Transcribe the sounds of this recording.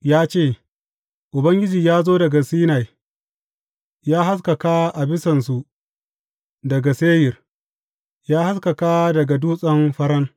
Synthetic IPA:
jaː˦t͡ʃeː˦˨ | ʔʊ˨bɐ˦ŋɡʲɪ˦d͡ʒiː˨jaː˦zoː˦dɐ˨ɡa˨siː˦na˨j | jaː˦ɦa˦s̬kɐ˨ka˦ʔa˨bɪ˦sɐ˨nsu˨ | dɐ˨ɡa˨seː˦jɪ˨r | jaː˦ha˦skɐ˨ka˦dɐ˨ɡa˨duː˦sʼɐ˦mɸɐ˦ɽɐ˦ŋ

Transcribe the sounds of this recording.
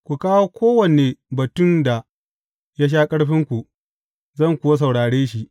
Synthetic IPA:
kʷu˨kaː˦woː˦kʷʰoː˦wɐ˨ne˨bɐ˨tʊ˦˨nda˨ | ja˦ʃ̬aː˦kʼɐ˦ɽɸɪ˦ŋkʷu˨ | zɐ˦˨ŋkʷu˨wɐ˦s̬ɐ˨wɽaː˨ɽeː˦ʃi˦ʔ

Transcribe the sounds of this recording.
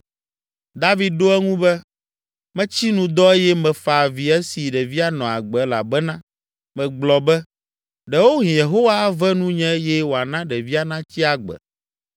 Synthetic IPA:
d̪a˦vi˨d̪̚ɖo˦ɛ˦ŋũ˦bɛ˦ | mɛ̃˦t͡ɕi˦nũ˨d̪ɔ˦e˦jɛ˦mɛ̃˨fa˨vi˨ɛ˦si˨ɖɛ˨vi˦a˨nɔ̃˨a̰˨ɡ͡bɛ˨˦la̰˨bɛ˦nã˦ | mɛ̃˨ɡ͡blɔ˨bɛ˦ | ɖɛ˨wo˦ɦĩ˨je˨ɦo˦wa˦vɛ˦nũ˦ɲɛ̃˦jɛ˦wo˨a˨nã˦ɖɛ˨vi˦a˦nã˦t͡ɕi˦a˨ɡ͡bɛ̰˨

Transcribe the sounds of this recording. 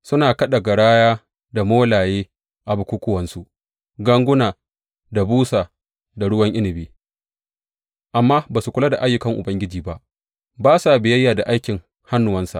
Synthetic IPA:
sʊ˦naː˨kɐ˦ɗa˨ɡa˨ɽaː˦jaː˦ | da˨moː˦laː˨jeː˦ | ʔa˨bʊ˨kʷʊ˦kʷʊ˦wɐ˨nsu˦ʔ | ɡɐ˦ŋɡʷʊ˦naː˨ | da˨buː˦saː˨ | da˨ɽʊ˦wɐ˦ŋʔɪ˦nɪ˨biː˦ | ʔa˨mːaː˦baː˨su˨kʷʊ˦la˦da˨ʔa˦jːʊ˨kɐ˦ŋʔʊ̰˨bɐ˦ŋɡʲɪ˦d͡ʒiː˨ba˦ʔ | baː˦sa˨bɪ˨jɐ˦jːaː˨da˨ʔa˦jkʲɪ˨ŋ | ha˦nːʊ˨wɐ˦nsa̰˨ʔ

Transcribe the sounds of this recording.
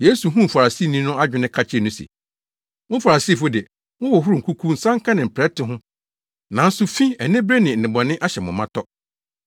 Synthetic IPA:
jeː˨˦su˨ɦũ˦m̩˨fa˨ɾa˨si˦˨nĩ˦nʊ̃˦a˦d͡ʑᶣɪ˨˦nɪ̃˦kʰa˦t͡ɕʰɪ˦e˦˨nʊ̃˦sḛ˨ | wʊ̃˦fa˨ɾa˨si˦˨fʊ˦dɪ˨ | wʊ̃˦wɔ˨ɦu˦ɾu˨ŋ̩˨kʰu˦kʰu˦n̩˦sã˦ŋ̩˦kʰã˦nɪ̃˨m̩˨pʰɾɛ˦tʰɪ˨ɦʊ̃˦ | nã˨n̩˦sʊ˦fĩ˦ɛ˨nɪ̃˦bɾe˦nɪ̃˨n̩˨ɪ̃˨bɔ˨nɪ̃˦ʔa˦ɕɛ˨mʊ̃˨mã˦tʰɔ˦

